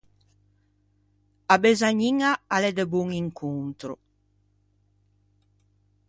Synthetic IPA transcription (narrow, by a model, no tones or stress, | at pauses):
abezaɲiŋaalɛd̪ebuŋiŋkʰunt̪ɾo̰